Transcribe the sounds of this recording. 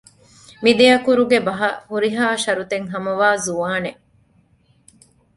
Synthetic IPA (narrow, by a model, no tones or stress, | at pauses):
mid̪ejɐkuɾuɡebɐɦɐ̰huɾiɦaːʃɐɾut̪eŋɦɐmɐʋaːzuʋaːneʔ